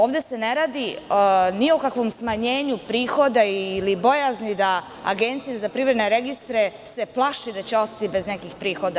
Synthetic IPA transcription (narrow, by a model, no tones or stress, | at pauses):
o̞ːʋd̪e̞se̞neɾaːd̪iniokakʋo̞msmaɲe̞ːɲupɾiːxo̞d̪aiːlibo̞jaznid̪a | a̰ɡe̞nt̪sijazapɾivɾe̞d̪neɾe̞ɡist̪ɾese̞plˠaʃid̪at͡ɕeo̞st̪ḁt̪ibe̞znekixpɾiːxo̞d̪a